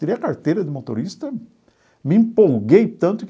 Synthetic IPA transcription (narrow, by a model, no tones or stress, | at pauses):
iɾejɐkaɾt̪ejɾɐd̪ɪmot̪o̰ɾist̪ɐ | mɪĩmpowɡejt̪ɐ̃nt̪ʊk